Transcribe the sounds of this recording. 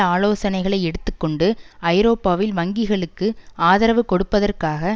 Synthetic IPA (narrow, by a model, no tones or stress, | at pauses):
aːloːsɐnɐɪɣɐɭɐɪɛɽɯt̪ːɯkːɔɳɖɯɐɪɾoːpːaːʋɪlʋɐŋɡɪɣɐɭɯkːɯaːðɐɾɐʋɯkɔɽɯpːɐðɐrkaːɣɐ